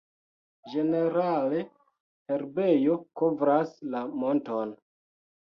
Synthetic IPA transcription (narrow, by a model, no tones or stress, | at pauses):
d͡ʒe̞ne̞ɾale̞ | eɾbe̞jokovɾaslamo̞nto̞n